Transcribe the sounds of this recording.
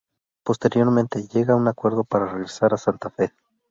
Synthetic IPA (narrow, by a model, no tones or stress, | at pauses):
po̞st̪e̞ɾjo̞ɾmẽnt̪e̞ʝe̞ɣaunakwe̞ɾðo̞paɾareɣɾe̞saɾasant̪afe̞